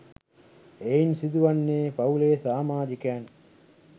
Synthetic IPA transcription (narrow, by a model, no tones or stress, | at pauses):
einsid̪uʋɐnːeːpɐuleːsaːmaːd͡ʒikæːn